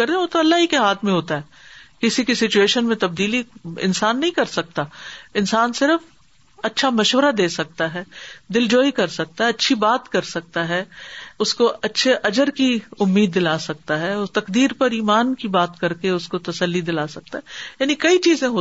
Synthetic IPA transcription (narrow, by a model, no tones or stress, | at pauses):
ɐɾẽot̪oɐlːaɦikeɦaːt̪ʰmẽɦoːt̪aɦɛːkɪsikisɪt͡ʃueːʃənmẽt̪ɐb̚d̪iːliɪ̰nsaːnːɐɦĩkɐɾsɐk̚t̪aɪnsaːnsɪɾəf | ɐtːʃʰamɐʃwəɾad̪eːsɐk̚t̪aɦɛːd̪ɪld͡ʒoːikɐɾsɐk̚t̪aɦɛɐtːʃʰibaːt̪kɐɾsɐk̚t̪aɦɛːʊskoɐtːʃʰeʔɐd͡ʒəɾkiʊmːiːd̪ːɪlaːsɐk̚t̪aɦɛt̪ɐqd̪iːɾpɐɾiːmaːnkibaːt̪kɐɾkeʊskot̪ɐsəlːid̪ɪlaːsɐk̚t̪aɦɛjaːnikɐit͡ʃiːzẽɦoː